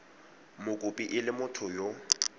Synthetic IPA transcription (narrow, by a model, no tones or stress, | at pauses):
mʊkʼʊpʼiʔɪlɪmʊtʰʊjo